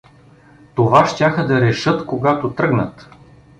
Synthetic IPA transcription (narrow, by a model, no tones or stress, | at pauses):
t̪ovaʃt̪ʲaxəd̪ɐɾɛʃɤt̪koɡat̪ot̪ɾɤɡnə̰t̪